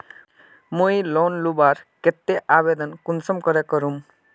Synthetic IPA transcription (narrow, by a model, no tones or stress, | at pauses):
mujlonlubaɾket̪ːeʔaβed̪ʌnkunsʌmkʌɾekʌɾum